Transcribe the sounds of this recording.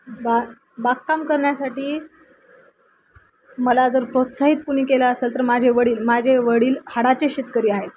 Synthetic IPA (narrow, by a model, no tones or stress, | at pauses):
ba | bakkamkəɾɳjasaʈiː | məlad͡zəɾpɾot̪saɦit̪puɽ̤̃iːkelaəselt̪əɾmad͡ʑʱeʋəɽiːlmad͡ʑʱeʋəɽiːlhaɽat͡ɕeɕet̪kəɾiːaɦet̪̚